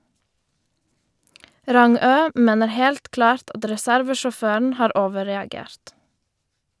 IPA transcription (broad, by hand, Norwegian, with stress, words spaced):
ˈɾɑŋøː ˈmeːnəɾ ˈhɛlt ˈklɑːɾt ˈɑt ɾɛˈsæɾʋəʃɔˌføːɳ̩ ˈhɑːɾ ˈoːʋəɾɛɑˌɡeːɾt